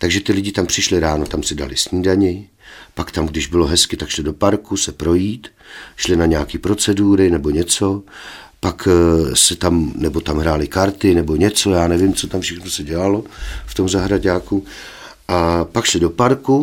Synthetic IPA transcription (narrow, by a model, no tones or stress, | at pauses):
t̪aɡʒɛt̪ɪlɪɟɪt̪ampr̝̥ɪʃlɪɾaːno̞t̪amsɪda̰lɪsɲiːdaɲɪ | pakt̪amɡdɪʒbɪloɦɛskɪt̪akʃlɪdo̞paɾkusɛpɾo̞jiːt̪ | ʃlɪnaɲɛakiːpɾo̞t͡sɛduːɾɪnɛbo̞ɲɛt͡so̞paksɛt̪amnɛbo̞t̪amɦɾaːlɪkaɾt̪ɪnɛbo̞ɲɛt͡so̞jaːnɛvɪmt͡so̞t̪amfʃɛxnosɛɟɛlalo̞ft̪o̞mzaɦɾaɟaːku | ʔapakʃlɪdo̞paɾku